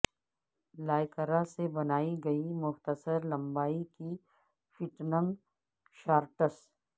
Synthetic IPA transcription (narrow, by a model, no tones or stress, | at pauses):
laːɪkəɾasebɐnaːiɡɐimʊxt̪əsəɾlɐ̃mbaːiki | fɪʈnə̃ŋɡ | ʃaːɾʈəs